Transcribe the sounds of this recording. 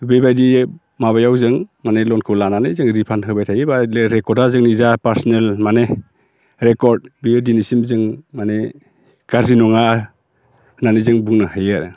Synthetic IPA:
bebajdi | maβajawzɯŋmanelɔnkʰɯlananɯjzɯŋɾipʰanɦɯbajtʰajɯbaleɾekɔɾdazɯŋnizapaɾsɔnelmane | ɾekɔɾd̚bijɯdinisimzɯŋmane | ɡ̥aɾzinɔŋa | hnanɯzɯŋbuŋnɯhajɯɾ

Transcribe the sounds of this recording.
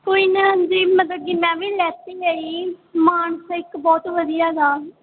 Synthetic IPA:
koːiːnəɦə̃ɲd͡ʒiːmət̪ləb̚kiːmɛ̃ːʋiːlɛːt̪iːəiːmaːɳsɪkbɔːt̪ʋəd̪ijaːd̪aː

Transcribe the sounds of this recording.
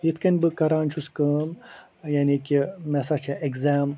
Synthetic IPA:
jit̪ʰkɐnʲbɨkɐɾaːnt͡ʃʰuskɐːm | janikʲimɛsat͡ʃʰaʔeɡzaːm

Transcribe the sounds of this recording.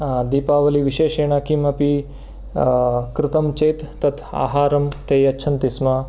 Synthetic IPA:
d̪iːpaːʋɐliʋiʃeːʃeːɳaːkimɐpi | kɾɪt̪ɐmt͡ʃeːt̪ːɐt̪ʰa̰ːɦaːɾɐmt̪eːjɐtːʃʰɐnt̪ismaː

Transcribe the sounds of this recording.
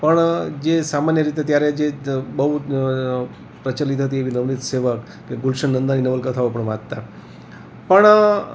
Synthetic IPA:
pəɳd͡ʒesamanjəɾit̪et̪jaɾed͡ʒebəɦu | pɾət͡ʃəlit̪ɦət̪̬ieʋinəʋnit̪seʋək | kːeɡulʃəɳːənd̪aninəʋəlkət̪ʰaʋopəɳʋãd̚t̪a | pəɳ

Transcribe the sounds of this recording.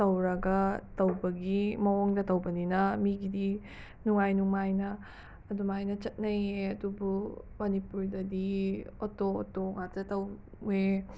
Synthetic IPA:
tɐwɾɐɡɐtɐwbɐɡimɐwoŋdɐtɐwbɐninɐmiɡidi | nuŋajnuŋajnɐː | dumajnɐt͡ʃɐt̚nɐjeɐdubumɐnipuɾdɐdiotootoŋatɐtɐw | e

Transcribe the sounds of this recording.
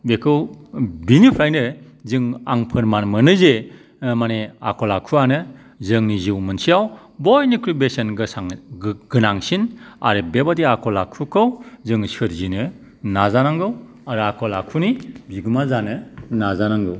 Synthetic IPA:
bekʰɯwbinipʰɾajnɯ | zɯŋa̰ŋpʰɯɾmanmɯnɯze | manea̰kʰɔlakʰuanɯ | zɯŋniziwmɯnsijaw | bɔjnikʰɾubesenɡɯsaŋɡɯnaŋsina̰ɾɯbebadiakʰɔlakʰukʰɯwzɯŋsɯɾzinɯ | nazanaŋɡɯw | aɾɯakʰɔlakʰunibiɡumazanɯnazanaŋɡɯw

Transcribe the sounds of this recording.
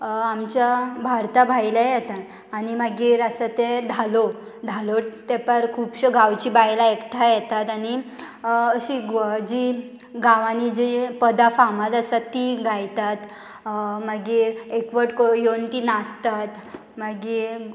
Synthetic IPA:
amt͡ɕjabʱaɾt̪abʱajlajɛt̪aː | ñimaɡiːɾəsət̪ed̪ʱalo | d̪ʱalot̪ɛpəɾkʰuːbɕəɡʱawt͡ɕiːbajlaekʈʰajɛt̪at̪añi | əɕid͡ʑi | ɡʱaʋãnid͡ʑipəd̪afamat̪əsat̪ːiɡʱajt̪at̪ | maɡiːɾekʋəʈkojont̪inast̪at̪ | maɡiː

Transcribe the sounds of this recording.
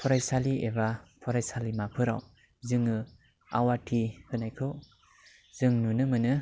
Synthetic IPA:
pʰɔɾajsaliebapʰɔɾajsalimapʰɯɾa̰w | zɯŋɯ | a̰watʰihɯnajkʰɯw | z̥ɯŋnunɯmɯnɯ

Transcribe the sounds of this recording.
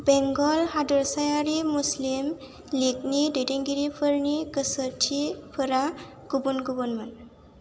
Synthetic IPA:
bɛŋɡɔlɦadəɾsajaɾimuslim | likniɖeʈeŋɡiɾipʰəɾnikəsəʈʰipʰəɾa | ɡ̥ubunɡubunmən

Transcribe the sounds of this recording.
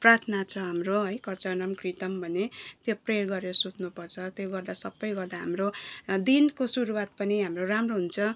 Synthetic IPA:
prat̪ʰnat͡sʰʌɦamroɦʌjkʌrt͡sʌnʌmkrit̪ʌmbʱʌnet̪joprerɡʌɾeɾʌsut̪̚nupʌrt͡sʰʌt̪joɡʌrd̪asʌbːʌjɡʌrd̪aɦamrod̪inkosuɾuwat̪̚pʌniɦamroramroɦunt͡sʰʌ

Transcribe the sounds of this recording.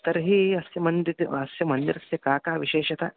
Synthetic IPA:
t̪ɐɾɦiɐsjɐmɐnd̪it̪ɐsjɐmɐnd̪iɾɐsjɐkaːkaːʋiʃeːʃɐt̪ɐ

